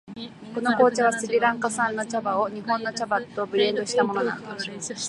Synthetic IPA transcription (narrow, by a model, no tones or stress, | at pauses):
ko̞no̞ko̞ːt͡ɕaβasɨbʲiɾãŋkasãnːo̞t͡ɕabao̞ɲ̟iɦõ̞nːo̞t͡ɕabat̪o̞bɯɾẽ̞nd̪o̞ɕi̥t̪amo̞nona̰